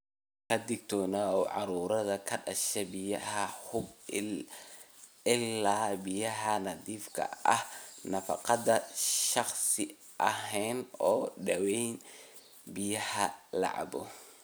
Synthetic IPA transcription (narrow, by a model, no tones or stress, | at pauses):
kʰɐd̪ɪɡ̚t̪ʰɔːnaɔːʕɑ̰ɾuːɾɐðɐkʰɐɖɐʃɛbɪjɐhɐhʊb | ɪlːaːbɪjɐɦɐnɐdiːfkʰɐ̰ɐhnɐfɑ̰qɑd̪ɐʃɑχsɪ | ʔɐɦɛjnɔːɖɐwɛjn | bɪjɐhɐlɑ̰ʕ̰bɔ